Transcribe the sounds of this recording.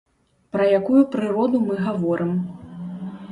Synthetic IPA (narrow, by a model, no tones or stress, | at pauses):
pɾɐjakujupɾɨɾɔd̪umɨɣavɔɾʔɨm